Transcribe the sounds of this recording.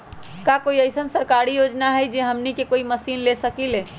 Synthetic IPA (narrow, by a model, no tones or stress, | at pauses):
kakoiəjsənsəɾkaɾijod͡ʒnaɦəjd͡ʒeɦəmnikekoiməsinlesəkile